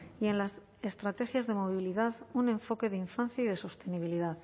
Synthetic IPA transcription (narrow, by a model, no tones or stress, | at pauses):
ie̞nlas | est̪ɾat̪e̞xjazðe̞mo̞β̞iliðaðunẽ̞ɱfo̞ke̞ðeiɱfanθjaiðe̞so̞st̪e̞niβ̞iliðað